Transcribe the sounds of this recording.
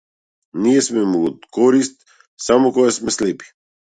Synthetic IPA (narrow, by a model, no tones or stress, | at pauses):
nijɛsmɛmuɔt̪kɔɾist̪ | samɔkɔɡasmɛslɛpi̥